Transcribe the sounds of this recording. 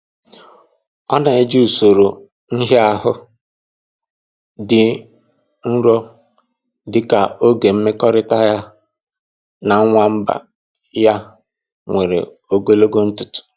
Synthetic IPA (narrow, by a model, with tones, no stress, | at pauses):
ɔ˦na˨e˦d͡ʒi˦u˨so˨ɾo˨ | n̩˦ɦe˦a˦ɦʊ˦ | dɪ˨ | n̩˦ɾɔ˦ | dɪ˨ka˨o˦ɡe˨m̩˦me˦kɔ˦ɾɪ˦ta˦ja˦ | na˨˦ŋʷa˦m̩˦ba̰˨ | ja˦ | ŋʷe˨ɾḛ˨ | o˦ɡo˦lo˦ɡo˦n̩˦tʊ˨tʊ̥˨